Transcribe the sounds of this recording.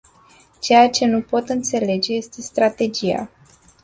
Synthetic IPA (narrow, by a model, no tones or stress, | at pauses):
t͡ʃe̞jat͡ʃe̞nupo̞t̪ɨnt̪se̞le̞d͡ʒe̞je̞st̪e̞st̪ɾat̪e̞d͡ʒija̰